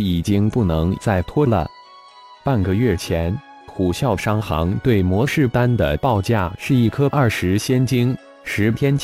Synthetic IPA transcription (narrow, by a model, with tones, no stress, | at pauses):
i˨˩t͡ɕi˥ŋpu˥˩nɤ˧˥ŋt͡sa˥˩ɪt̪ʰwɔ˥lə̰˧ | pa˥˩nɡə˨ɥɛ˥˩t͡ɕʰjɛ˧˥n | xʰu˨˩ɕjɑ˥˩ʊʂɑ˥ŋxɑ̰˧˥ŋt̪we˥˩ɪmwɔ˧˥ʂɻ̩˥˩pa˥nd̪ə˨pɑ˥˧ʊt͡ɕja˥˩ʂɻ̩˥˧i˥˩kʰɤ˥ʔɐ˞˥˩ʂɻ̩˧˥ɕjɛ˥nt͡ɕi˥ŋ | ʂɻ̩˧˥t̪ʰjɛ˥n